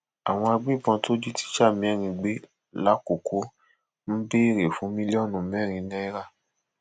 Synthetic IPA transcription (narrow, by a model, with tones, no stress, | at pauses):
a˨w̃ɔ̃˧a˧ɡ͡bi˦˨bã˧to˦d͡ʒi˦ti̥˦ʃa˦˨mĩ˧˦ɛ˦˨ɾ̃ĩ˧ɡ͡be˦ | la˦ko˨ko˦ | m̩˦be˦i˦˨ɾe˨fũ˨˦mĩ˦le˦ɔ˦˨nũ˧˨mɛ˦˨ɾ̃ĩ˧nɛ̃˦ɾa˦˨